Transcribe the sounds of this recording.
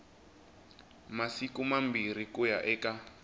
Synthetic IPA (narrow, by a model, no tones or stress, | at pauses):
masikumambiɾ̤ikuja̰ʔɛːka